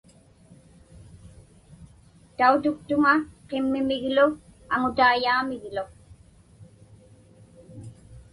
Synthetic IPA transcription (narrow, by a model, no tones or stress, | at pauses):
t̪aut̪ʊk̚t̪ʊŋaqemːɪmɪɣlʊaŋʊt̪aːjaːmɪɣlo